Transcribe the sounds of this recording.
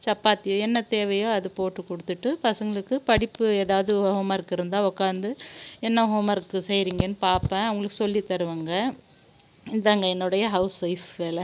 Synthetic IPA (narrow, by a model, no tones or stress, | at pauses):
t͡ʃɐpːaːt̪ːɪjõːɛnːɐt̪eːʋɐjõːɐðɯpoːʈːɯkːɔɽɯt̪ːɯʈːɯpɐsɐŋɡɐɭɯkːɯpɐɽɪpːɯeːðaːʋɐðɯʊʋɐɣɐmaːɪɾɯkːɯɪɾɯnd̪ãːɔkːaːnd̪ɯɛnːɐɦoːmaːɪɾɯkːɯsɛjɪɾiːŋɡɐnːɯpaːɾpɛ̃ɐʋɐŋɡɐɭɯkːɯsɔlːit̪ɐɾɯʋaːŋɡɐ | ɪnd̪aːŋɡɐɛnːɯɽɐjɐɦɐʊsʋɐɪfʋeːlɛ